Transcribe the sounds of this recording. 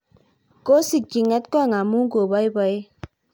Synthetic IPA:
ko˦si˨ki˨ŋɛ˦tkɔ˦˨ŋa˨mu˦ŋ˦ɡo˨ba˦i˦bɔ˦j

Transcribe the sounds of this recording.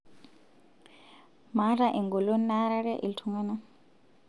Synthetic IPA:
ma˨˦ɾa˦ʔi˨ŋɡu˨lo˦na˦ɾa˦ɾɛ˦ʔḭ˨ltʰu˨ŋa˦na˦

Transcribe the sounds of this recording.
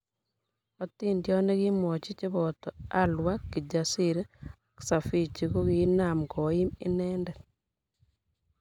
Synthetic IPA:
ɔti˦ndjɔ˦ne˦ki˦mɔ˨t͡ʃi˦t͡ʃɪ˦bɔ˨tɔ˨a˦lwa˦kːi˨d͡ʒa˨si˦ɾ | ksa˨fi˦˨t͡ʃi˨ko˦ki˦na˨mɡɔ˨i˦mɪ̰˦nɛndɛ˨

